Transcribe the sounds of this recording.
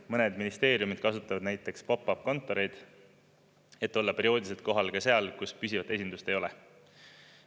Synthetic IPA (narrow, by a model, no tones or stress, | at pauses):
mɤned̪minist̪e̞ːɾiumid̪̥̚kɑsut̪ːˑɑvɑd̪̥næjt̪ːˑe̞kspɑpːˑɑp̚ko̞nt̪ːˑo̞ɾe̞jd̪̥ | e̞t̪ːˑo̞lːɑpe̞ɾio̞ːd̪ise̞lt̪̚ko̞ɦɑlkɑse̞ɑlkuspysʲivɑt̪ːˑe̞sind̪ust̪e̞jo̞le